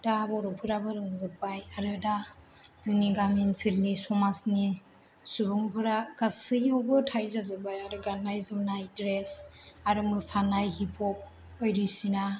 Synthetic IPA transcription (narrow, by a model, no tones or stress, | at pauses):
d̥abɔɾɯpʰɯɾabɯɾɯŋzɯk̚bajaɾɯda | z̥ɯŋniɡaminsiɾnisɔmasni | subɯŋpʰɯɾaɡasɯjawbɯtʰajzazɯbajaɾɯɡanːajzɯmnajdɾesaɾɯmɯsanajhipʰɔp̚ː | əjɾisina